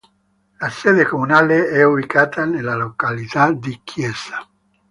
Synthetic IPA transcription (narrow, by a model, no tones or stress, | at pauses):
lasɛd̪ekomunaleɛuβikaːt̪ʰanelalokalit̪ad̪ikʰjɛsa